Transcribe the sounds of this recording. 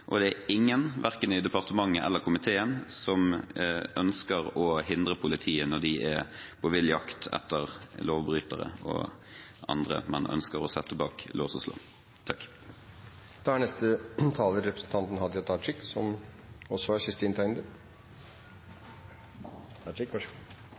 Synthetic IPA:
ʔɔd̪ɛæɪŋːənʋʔæʁkənɪd̪ɛpɑʁt̪əmɑŋːəʔɛ̰lːəʁɾkʰʊmɪt̪ʰeːənsɔmʔœnskəʁɔhɪnd̪ʁəpʰʊlɪt̪ʰiːənɔɖ̪ɪʔæpʰɔʋɪljɑkt̪ʰɛ̰t̪ːəʁloːʋbɾyːt̪əʁə̰ɔ̰ʔɑ̰nd̪ʁə̰mɛ̰nʔœ̰nskəʁɔsɛt̪ːəbɑːklʔoːsɔslo̰ː | t̪ʰɑkː | d̪̥ɑæɳnɛst̪ət̪ʰɑːlʋəɾɛpɾəsn̩t̪ʰɑnt̪n̩hɑd̪jɑt̪ʰɑːt͡ʃɪksɔm | ɔsɔæɾkɪst̪iːnt̪ʰɑɪnd̪ə | ɑt͡ʃɪk

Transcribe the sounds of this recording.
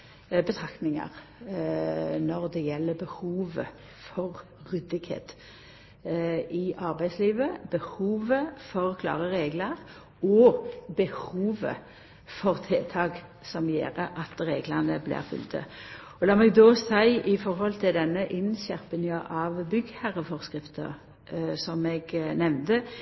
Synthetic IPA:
bət̪ʰʁɑk̪nɪŋɑ̰ʁ | nɔʁd̪ɛjɛlːəbəhuːʋə̰ | fɔʁː | ʏd̪ɪkhḛːt̪ | ɪʔɑʁbæɪd̪sliːʋəbəhuːʋəfɔʁkʰlɑ̰ːʁəʁeːɡləʁ | ɔbəhuːʋə̰ | fɔʁt̪ʰeːt̪ʰɑːɡ | sɔmjḛːʁəʔɑt̪ʁeːɡləʁnəblɪ̰ːʁfʉ̰lt̪ə̰ | ɔlɑːmɛɡd̪oːsæɪʔɪfɔʁhɔlt̪ʰɪld̪ɛnːəʔɪnɕæʁpənəʔɑʋbʏɡhæʁəfɔʁskʁɪft̪ə̰ | sɔmɛɡnɛʋnd̪ə

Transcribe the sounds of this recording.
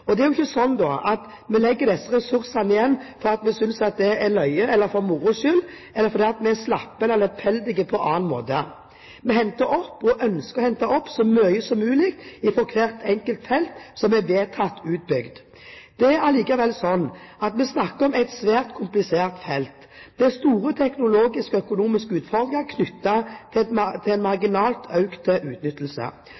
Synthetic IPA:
ɔd̪ɛæɾjʊɪçːəsɔnːd̪ɔɑt̪ | mɛlɛɡːəd̪ɛsːəɾɛsʉɾsɑnɪjɛnːfɔɾɑt̪mɛsʏnsɑt̪̚d̪ɛɛlœʏəɛlːəɾfɔɾmuɾʊʃʏl | ɛlːəɾfɔɾd̪iːɑt̪mɛæslɑpːənɛlɛpʰfɛld̪ɪɡəpʰɔʔɑːnmo̰ːt̪ə | mɛɦɛnt̪əɾɔpːɔʔœnskəʁɔhɛnt̪ɑɔpːsɔmœʏəsɔmːʉːlɪkt̪ɪfɔɾkʰʋeːʁt̪ʰɛŋkəlt̪fɛlt̪sɔmɛʋeːt̪ʰɑt̪ːʉːt̪̚bʏɡd̪ | d̪̥ɛæʁliːkɑʋɛlsɔnːɑt̪mɛsnɑkːəɾɔmæɪt̪sʋæːʁt̪kʰʊmplɪseːʁt̪fɛlt̪ | d̪ɛst̪uːʁət̪ʰɛknʊloːɡɪskəœkʊnuːmɪskəʉːt̪fɔʁd̪ɾɪŋəkʰnʏt̪ːɑt̪ʰɪt̪ʰɪlɛnmɑʁɡɪnɑːlt̪ʰœʉkt̪əʔʉːt̪nʏt̪ːəl̩sə̰

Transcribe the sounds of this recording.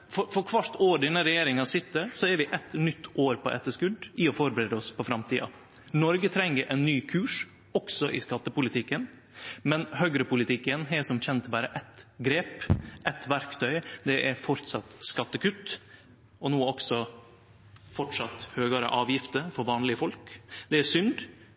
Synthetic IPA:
fɔɾfɔɾkʰʋɑɾʈ̪oːɖ̪ɪnəɾɛjeːɾɪŋɑsɪt̪ːəsɔɛɾʋɪʔɛt̪nʏt̪ʰːoːɾpʰɔʔɛ̰t̪ːəʂkʉd̪ɪɔfɔɾbəɾeːd̪əɔspʰɔfɾɑmt̪ʰiːɑ̰ | nɔɾɡət̪ʰɾɛŋːəɾʔɛnːyːkʰʉːʂ | ɔksɔʔɪskɑt̪ːəpʊlɪt̪ʰɪkːən | mɛnhœɡɾəpʊlɪt̪ʰɪkːənɦɛsɔmçɛnt̪bɑːɾəʔɛt̪ɡɾeːpʔɛt̪ʋæɾkt̪ʰœʏd̪ɛʔæɾfɔɾt̪sɑt̪skɑt̪ːəkʰʉt̪ː | ɔnuːɔksɔ | fɔʈʂɑt̪høːɡɑɾə̰ʔɑːʋjɪft̪əɾfɔɾʋɑːnlɪəfɔlkd̪ɛæsʏnd̪

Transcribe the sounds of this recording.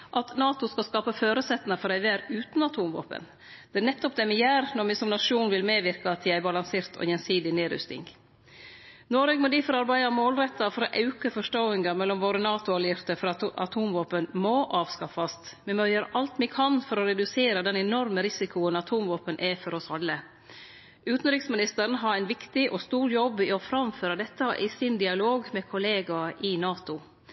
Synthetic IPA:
ʔɑt̪nɑːt̪ʊskɑskɑːpɑføːɾəsɛt̪ːnɑfɔɾæɪʋæːɾʉːt̪nɑt̪ʰuːmʋo̰ːpə̰n | d̪̥ɛnɛt̪ːɔp̚d̪ɛmɪjæːɾnɔmɪsɔmnɑʂuːnʋɪlmeːʋɪɾkɑt̪ʰɪæɪbɑlɑŋseːɾt̪ʰɔ̰jɛnsiːd̪ɪneːɾʏ̰st̪ɪ̰ŋ | nɔɾeːɡmɔd̪iːfɔɾɑɾbæɪd̪ɑmoːlɾɛt̪ːɑfɔɾɔʔɑʉkəfɔʂʈoːɪŋɡɑmɛlːɔmʋoːɾənɑːt̪ʊɑljɪɾt̪əfɔɾɑʔɑ̰t̪ʰuːmʋoːpənmoːʔɑːʋskɑfɑst̪mɛnmœʏəɾʔɑlt̪mɪkʰɑnfɔɾɔɾɛd̪ʉseːɾəd̪ɛnɛnɔɾməɾɪsɪkʊənɑt̪ʰuːmʋoːpənʔæfɔɾɔsɑlːə | ʉːt̪n̩ɾɪksmɪnɪst̪əɾn̩ɦɑɾæɪnʋɪkt̪ɪʔɔst̪uːɾjɔbːɪɔfɾɑmføːɾɑd̪ɛt̪ːɑʔɪsɪnd̪ɪɑloːɡmɛkʰʊleːɡɑʔɪnɑːt̪ʊ

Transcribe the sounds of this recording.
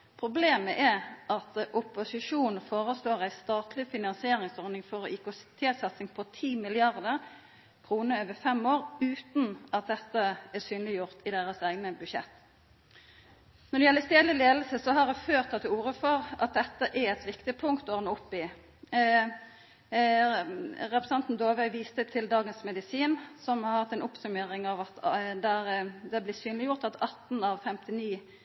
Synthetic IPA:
pʰɾʊbleːməʔɛʁʔɑt̪ʔʊpʊsɪʂuːnfoːʁəsloːʁæɪst̪ɑːt̪ʰlɪfɪnɑnsɪeːɾɪŋsɔɾnɪŋfɔʁɔʔɪkʊst̪ʰeːt̪sɑt̪sɪŋpʰɔt̪ʰiːmɪlɪɑʁd̪əʁ | kʰʁuːnəøːʋəfɛmoːʁʉːt̪nɑt̪̚d̪ɛt̪ːəæʁsyːnlɪjʊʁt̪ʰɪd̪eːʁəsæːɡnəbʉdʃɛ̰t̪ː | nɔɾd̪ɛjɛlːəst̪eːd̪lɪleːd̪l̩səsɔɦɑɾd̪ɛføːʁt̪ʰːɑt̪uːʁəfɔʁɑ̰t̪̚d̪ɛt̪ːəʔæɾɛt̪ʋɪkt̪ɪpʰʊŋkt̪ɔʁnʊpːɪ | ʁɛpɾɛsɑnt̪n̩d̪oːʋœʏʋiːst̪ət̪ʰɪld̪ɑːɡənsmɛd̪ɪsiːnsɔmhɑɾhɑt̪ːɛnʊpsʉmeːɾɪŋɑʋɑt̪d̪æd̪ɛblɪsyːnlɪjʊʁt̪ɑt̪ʰɑt̪n̩ɑʋfɛmt̪ɪniː

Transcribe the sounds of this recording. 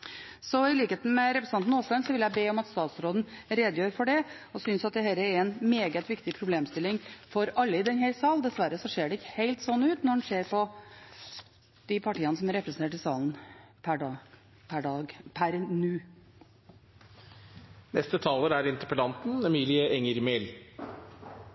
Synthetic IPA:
sɔɪliːkeːt̪n̩mɛɾɛpɾəsnɑnt̪n̩oːskɑnsɔʋɪljæɪbeːɔmɑt̪st̪ɑːt̪sɾoːd̪n̩ɾeːd̪əjøːɾfɔɖɛ | ɔsʏnsɑt̪̚d̪ɛɦɛlːəɛɾɛnmeːɡət̪ʋɪkt̪ɪpʰɾʊbleːmst̪ɪlɪŋfɔɾɑlːəɪd̪ɛnhɛɾsɑːld̪ɛsʋæɾəsɔʂeːɖɛɪkːə̥heɪlt̪sɔnːʉːt̪nɔɖɛnʂeːɾpʰɔ | d̪̥ɪpʰɑʈiːɑnəsɔmæɾɛpɾəsənt̪eːʈɪsɑːlnpʰæɖɑː | pʰæɖɑːɡpʰæɾnʉː | nɛst̪ət̪ʰɑːləɾæɾɪnt̪əɾpəlɑnt̪n̩ɛmiːlɪəʔɛŋəɾmel

